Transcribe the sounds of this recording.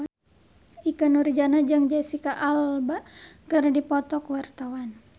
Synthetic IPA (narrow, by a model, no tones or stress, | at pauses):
ikənuɾid͡ʒanad͡ʒɨŋd͡ʒasikaʔalbakɨrdipɔt̪ɔkwart̪awan